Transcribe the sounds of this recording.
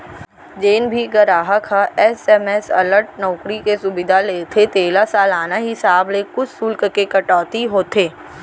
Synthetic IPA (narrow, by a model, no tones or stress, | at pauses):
d͡ʒeːnbʱiɡɐɾaːɦəkʰaɛsɛːmɛsɐ̰ləɾʈ̚nɔːkɾikesʊbɪd̪ʱaleːt̪ʰet̪eːlasaːlaːnaɦɪsaːblekʊt͡ʃʰsʊlkkekɐʈaːt̪iɦoːt̪ʰeː